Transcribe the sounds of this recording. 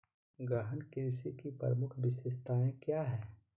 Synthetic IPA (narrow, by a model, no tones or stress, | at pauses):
ɡɾəɦənkesikipəɾəmʊkʰbɪsɪst̪aːẽkjaːɦɛː